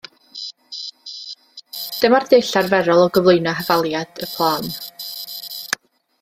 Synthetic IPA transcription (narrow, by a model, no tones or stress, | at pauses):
d̥əmardejɬarvɛɾɔlˠɔɡəvlˠoɨnɔɦəvalˠjad̥əpʰlˠaːn